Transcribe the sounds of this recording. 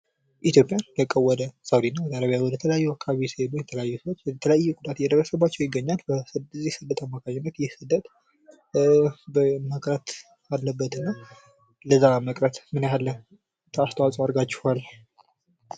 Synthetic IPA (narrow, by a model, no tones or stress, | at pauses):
ʔit̪ʰjo̞pʼjand̪əkʼːəwːɔd̪əsawd̪inːawɔd̪əaɾəβijawɔd̪ət̪ʰələjajːuakʰːaβisebojɛt̪ʰələjajːusəwot͡ʃ̪ːt̪ʰələjajːɛɡud̪at̪jɛd̪əɾəsəβat͡ʃːɛwjɪɡːəɲːalbəszisɨd̪ət̪ʰamːakʰaɲːɛnːət̪jɪhsɨd̪ət̪ | bəməkʼɾət̪ | alːəbːət̪ɨnːa | ləzaməkʼɾət̪mɨnjalːə | t̪ʰəast̪ʰəwasʼaɾɡat͡ʃːɪ̥hal